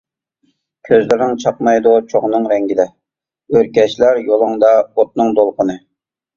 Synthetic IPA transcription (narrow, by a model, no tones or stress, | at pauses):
kʲʰøzlɪɾnɪŋt͡ʃʰɑq̚mɑjd̪ut͡ʃʰoʁnɨŋɾɛŋɡʲid̪ɛ | øɾkʲɛʃlæɾjolˠɨŋd̪ɑot̪̚nɨŋd̪olˠqənɨ